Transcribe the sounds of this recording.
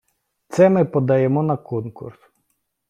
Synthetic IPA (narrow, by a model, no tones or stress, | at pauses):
t̪sɛmɪpɔd̪ɐjɛmɔnɐkɔnkṵrs